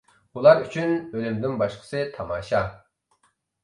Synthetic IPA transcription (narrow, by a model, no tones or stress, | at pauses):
bulˠɑɾyt͡ʃʰynølymd̪ɪnbɑʃqʰə̥sɨt̪ʰɑmɑːʃɑ